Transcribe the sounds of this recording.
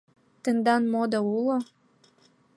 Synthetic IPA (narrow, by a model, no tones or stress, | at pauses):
t̪ə̆nd̪ɑnmod̪oulo